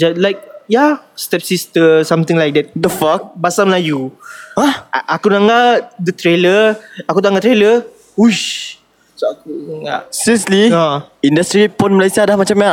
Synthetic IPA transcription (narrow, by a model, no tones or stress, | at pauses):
d͡ʒalajk̚jast̪ɛp̚sist̪əsãmt̪ɪ̃ŋlajk̚dɛt̚d̪əfak̚basaməlajuaʔakunaŋald̪ət̪ɾeləakudaŋɡat̪ɾelə | uʃ | soakuŋa̰ʔsiəsliaindast̪ɾipɔnməlajsiadahmat͡ʃamja